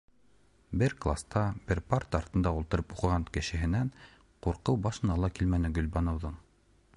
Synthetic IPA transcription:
bɘɾklˠast̪ɑbɘɾpart̪ɑɾt̪ɤ̆nd̪ɑulˠt̪ɤ̆ɾɤpuqɤ̆ʁɑnkɘ̆ʃɘ̆ɦɘ̆næŋ | quɾqɤwbɑʃɤ̆nɑlˠɑkilmænɘɡɵ̆lʲbɑnŏwðɤɴ

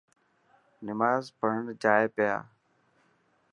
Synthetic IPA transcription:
nɪmaːzpəɦəɳd͡ʒaːeːpeja̰ː

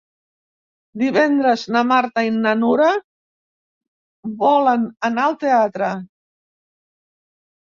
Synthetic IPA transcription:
d̪iβɛnd̪ɾəznamaɾt̪ainːanuɾa | βɔlənənaəlˠt̪eat̪ɾə

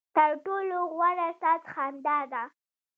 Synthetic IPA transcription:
t̪əɾʈoloɣwaɾast̪ɑsxand̪ɑd̪a

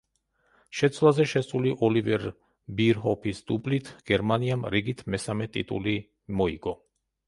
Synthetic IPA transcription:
ʃɛt̪sʰwlˠazɛʃɛsuliʔɔlivɛɾ | biɾɦɔpʰisd̪̥ublit̪ʰɡ̥ɛɾmaniamɾiɡit̪ʰmɛsamɛt̪ʼḭt̪ʼṵli | mɔiɡɔ

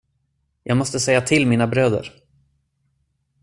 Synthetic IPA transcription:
jʔɑːɡmɔst̪əsɛjːat̪ʰɪlmiːnabɾøːd̪ə̰ɾ

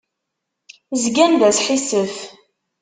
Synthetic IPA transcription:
zɡænðæsħisəf

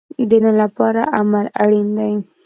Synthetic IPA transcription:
d̪ənəlapɑɾaʔamalaɽind̪aj

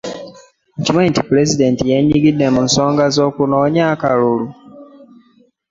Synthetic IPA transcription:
cimantipuɾezide̞ːntijeɲiɡidːe̞munso̞ːŋɡazo̞ːkunoːɲaːkalulu

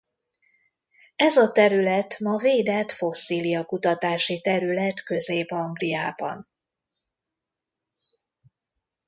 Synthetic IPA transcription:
ɛzɒt̪ɛɾylɛt̪mɒveːd̪ɛt̪fo̞sːiːlijɒkut̪ɒt̪aːʃit̪ɛɾylɛt̪kø̞zeːbɒŋɡlijaːbɒ̰n

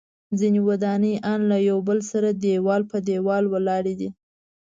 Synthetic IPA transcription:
zinewad̪ɑnəjʔɑnlajawbəlsaɾad̪ewɑlpəd̪ewɑlwəlɑɾed̪i

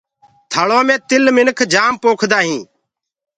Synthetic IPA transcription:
t̪ʰaːɭoːmẽːt̪ɪlmɪnkʰd͡ʒaːmpoːkʰd̪aːɦĩː

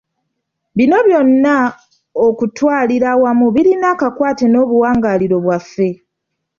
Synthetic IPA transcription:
βino̞βjo̞nːa | okutwaːliɾawamuβiɾinaːkakwaːte̞no̞ːβuwaːŋɡaːliɾo̞βwafːe̞

